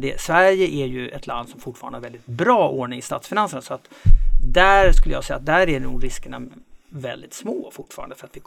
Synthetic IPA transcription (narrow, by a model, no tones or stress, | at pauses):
d̪ɛsvæɾjəʔæɾjɵɛt̪land̪sɔmfʊʈːfɑɾanhaɾvɛld̪ɪt̪̚bɾɑːʔoɳɪŋɪst̪ɑ̰ːt̪sfɪnansəɳasɔat̪d̪æɾskɵləjɑ̰ːsɛja̰t̪̚d̪æɾænṵɡɾɪskəɳa̰vɛld̪ɪt̪smoːfʊʈːfɑ̰ːɾand̪əfəɾat̪vɪ